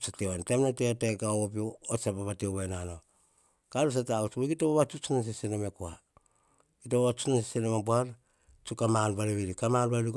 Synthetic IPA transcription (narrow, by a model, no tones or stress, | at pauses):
satewantemnateotekaoop̬iosapaβateβanano | kalos̬ataut͡ʃoɡitoβoβat͡ʃut͡ʃunans̬esenomekoa | kitoβoβat͡ʃunans̬esenomabuaɾ | t͡ʃukamanbaɾeβiɾikamanbalik